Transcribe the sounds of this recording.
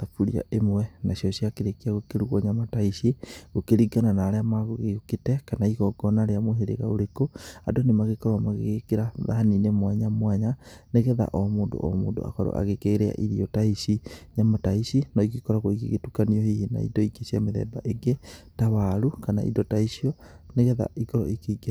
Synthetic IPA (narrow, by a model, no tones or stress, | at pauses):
afuɾḭa̰ʔemwɛnaɕjɔɕiakeɾekiaɣokeɾuɣɔɲamataiʃiɣokeɾiɡananaːɾeamaɣoɣeoketɛkanaiɣɔɡɔnaɾeamoɦeɾḛɣa̰oɾekoadonemaɣekɔɾwamaɣeɣekeɾaða̰aninemwaɲamwaɲaneɣɛða̰ʔɔmoːndo̰ʔɔ̰moːndo̰a̰kɔɾɔ̰ʔa̰ɣekeːɾea̰ʔiɾiɔtaiʃiɲamataisinɔikikɔɾaɣoikiɣetukaniɔhihina̰ḭdɔiɡesiameðɛ̰ːbaʔeɡetawaɾukana̰ʔḭdɔtaiʃiɔneɣɛða̰ʔikɔɾɔikeiɡe